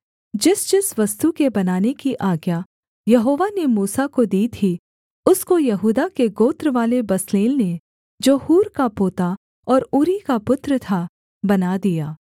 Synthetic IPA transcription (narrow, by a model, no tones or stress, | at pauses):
d͡ʒɪsd͡ʒɪsʋɐst̪ukebɐnaːnekiʔaːɡja | jɐɦoːʋanemuːsakod̪iːt̪ʰi | ʊskojɐɦuːd̪akeɡoːt̪ɾəʋaːlebɐsleːlne | d͡ʒoːhuːɾkapoːt̪a | ɔːɾʊɾikapʊt̪ɾət̪ʰa | bɐnad̪ijaː